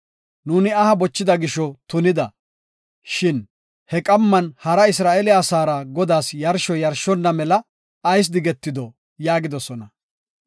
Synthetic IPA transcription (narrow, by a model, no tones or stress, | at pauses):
nuːnɪɐhɐbɔt͡ʃːɪd̪ɐɡɪʃɔt̪ʊnɪd̪ɐ | ʃɪn | hɛkʼɐmːɐnhɐɾɐɪs̬ɾaːʔɛlɪaːsaːɾɐɡɔd̪aːsjɐɾʃɔjɐɾʃɔnːɐmɛlɐː | js̬d̪ɪɡɛt̪ːɪd̪ɔ | jaːɡɪd̪ɔsɔnɐ